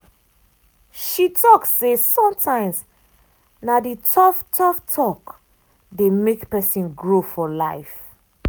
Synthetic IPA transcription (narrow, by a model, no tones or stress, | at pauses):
ʃitʰɔksːesɔ̃mtʰãɪ̃ms | naditʰɔftʰɔftʰɔk | demekpɛsĩnɡɹofɔlaɪf